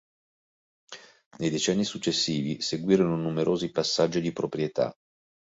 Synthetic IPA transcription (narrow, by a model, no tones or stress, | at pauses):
nejd̪et͡ʃɛnːisut͡ʃːesːiːviseɡwiːɾononumeɾʔoːzipasːad͡ʒːid̪ipɾopɾjet̪a̰